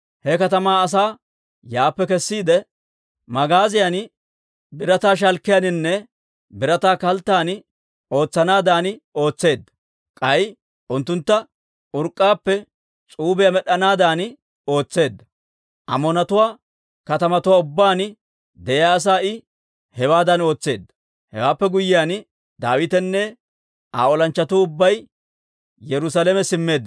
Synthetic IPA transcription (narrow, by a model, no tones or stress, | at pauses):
hɛkɐt̪ɐmaːɐs̬aː | jaːpːɛkɛsːiːd̪ɛ | mɐɡaːzɪjɐn | bɪɾɐt̪aːʃ̬ɐlkːɪjanɪnːɛ | bɪɾɐt̪aːkɐlt̪ːaːnɪ | o̞ːt͡sːɐnaːd̪aːnɪo̞ːt͡sːe̞ːd̪ːɐ | kʼɐj | ʔʊnt̪ːʊnt̪ːɐ | ʊɾkʼːaːpːɛ | t͡sʼuːbɛjamɛɗɐnaːd̪aːn | o̞ːt͡sːe̞ːd̪ːɐ | ʔɐ̰mɔnɐt̪ʊwaː | kɐt̪ɐmɐt̪ʊwaːʊbːaːn | d̪ɛjaːs̬aːɪ | hɛwaːd̪ɐno̞ːt͡sːe̞ːd̪ːɐ̥ | hɛ̰waːpːɛɡʊjːɪjaːn | d̪aːwɪt̪ɛnːɛ | a̰ːɔlɐnt͡ʃːɐt̪ʊːʊbːɐj | jɛɾʊsalɛmɛsɪmːe̞ːd̪ː